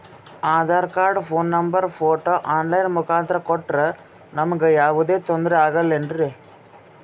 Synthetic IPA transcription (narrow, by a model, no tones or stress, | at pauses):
aːðaːɾkaːɾɖɯfoːnnɐmbɐɾfoːʈːoːʔaːnlɐjɪnmʊkaːnd̪ɪɾɐkɔʈːrɐ | nɐmɐɡɯjaːʋɐðeːt̪ɔnd̪ɪɾɐaːɣɐlɛndɾɯ